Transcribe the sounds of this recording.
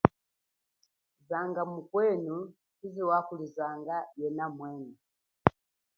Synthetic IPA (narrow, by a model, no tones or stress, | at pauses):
zaŋɡamukwɛnu | kiziwakulizaŋɡajɛnamwɛnɛ